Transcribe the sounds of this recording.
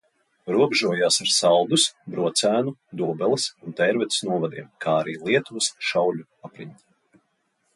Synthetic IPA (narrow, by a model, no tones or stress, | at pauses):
ɾuɔbʒuɔjaːsaɾsalˠd̪usbɾuɔt̪sæːnud̪uɔbɛlˠisunt̪ɛjɾvɛt̪snuɔvad̪ḭɛmkʰaːaɾiːlˠiɛt̪uvɨsʃawʎʲu | apɾiɲʲt̪